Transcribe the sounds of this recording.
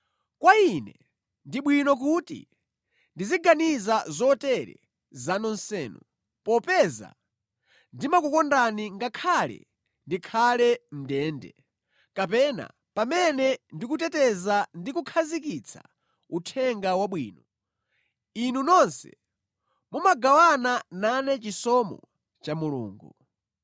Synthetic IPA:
kwainɛ | ndiɓwinɔk̬utḭ | ndiziɡanizazɔtɛɾɛ̰ | zanɔnsɛːnu | pɔpɛza̰ | ndimakukɔndaniŋɡakʰalɛ̰ | ndikʰalɛm̩dɛːndɛ̰ | kapɛna̰ | pamɛnɛndik̬utɛtɛzandikukʰazikit͡sʰḁ̰ | utʰɛŋɡawaɓwiːnɔ | inunɔnsɛ̰ | mumaɡawanananɛt͡ʃisɔmɔ̰ | t͡ʃamulṵːŋɡu

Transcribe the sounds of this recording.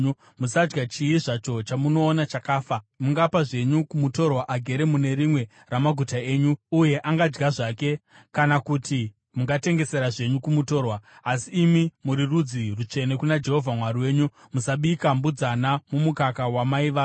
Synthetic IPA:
musad͡ʒɡat͡ʃiiʐat͡ʃo̞t͡ʃamuno̞ːnat͡ʃakaːfamuŋɡapaʐe̞ɲukumuto̞rwaʔaɡʱe̞ɾe̞mune̞ɾimwe̞ | ramaɡʱutae̞ːɲuuje̞ʔaŋɡad͡ʒɡaʐake̞ | kanakuti | muŋɡate̞ŋɡe̞se̞ɾaʐe̞ɲukumuto̞rwaːsiːmimuɾirud͡zirut͡ʃe̞ne̞kunad͡ʒe̞ɦo̞vʱamwaɾiwe̞ːɲu | musaɓikambud͡zanamumukakawamaiʋaː

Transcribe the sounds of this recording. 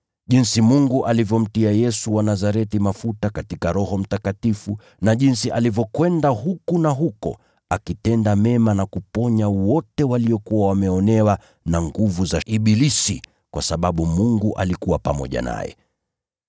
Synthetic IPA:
ʄinsimuŋɡuʔalivjɔm̩tiajɛsuwanazaɾɛtimafutakatikaɾɔhɔm̩takatifu | naʄinsiʔalivjɔkwɛndaɦukunaɦukɔ̰ | akitɛndamɛmanakupɔɲawɔtɛwaliɔkuwawamɛɔnɛwa | naŋɡuvuzaiɓilisḭ | kwasaɓaɓumuŋɡuʔa̰likuwapa̰mɔ̰ʄa̰na̰jɛ̰

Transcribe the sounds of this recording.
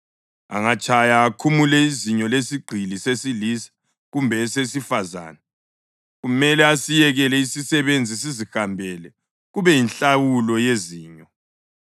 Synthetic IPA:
a̰ŋat͡ʃʼajaːkʰumulɛiziɲɔlesiɡ͡ǃʱilisesilisḁ | ɣumbʱɛsesifaza̰ːnɛ | ɣumɛlɛasijɛɣɛlɛisisɛβend͡zʱisizihambʱɛlɛ | ɣuβɛjinɬawulɔjeziːɲɔ

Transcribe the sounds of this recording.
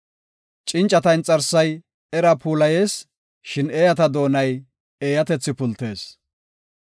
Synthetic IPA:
t͡ʃʼɪnt͡ʃʼɐt̪ɐjnt͡sʼɐɾsːɐj | ɛɾɐpʰuːlɐje̞ːs | ʃɪneːjɐt̪ɐd̪o̞ːnɐj | eːjɐt̪ɛt͡sːɪpʊlt̪e̞̰ːs

